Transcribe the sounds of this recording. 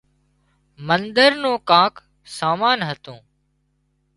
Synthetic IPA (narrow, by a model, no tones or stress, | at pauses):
mənd̪əɾnõːkãːk | saːmaːnɦət̪õː